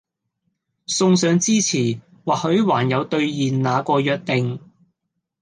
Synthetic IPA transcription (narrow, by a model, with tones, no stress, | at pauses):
sʊ˧ŋsœː˨˧ŋt͡siː˥t͡sʰiː˨˩ | waː˨hɵ˨˥ɥwaː˨˩njɐ˨˧wt̪ɵ˧ɥjiː˨nnaː˨˧kɔː˧jœː˨˧k̚t̪ɪ˨˧ŋ